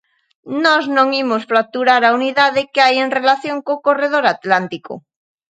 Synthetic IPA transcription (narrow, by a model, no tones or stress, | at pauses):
noznõŋimosflak̚t̪uɾaɾauniðað̞ekeajenrelaθjoŋkokoreð̞oɾat̪lant̪iko̰